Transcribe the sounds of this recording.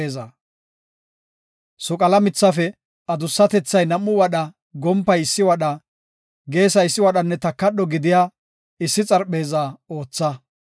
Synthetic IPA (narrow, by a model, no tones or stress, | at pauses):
eːza | sʊkʼɐlɐmɪt͡sːɐfɛ | ɐd̪ʊsːɐt̪ɛt͡sːɐjnɐmːʊwɐɗɐ | ɡɔmpːɐjɪsːɪwɐɗɐ | ɡe̞ːsɐɪsːɪwɐɗɐnːɛt̪ɐkːɐɗɔɡɪd̪ɪjaː | ɪsːɪt͡sʼɐɾɓe̞ːzaːo̞ːt͡sːɐ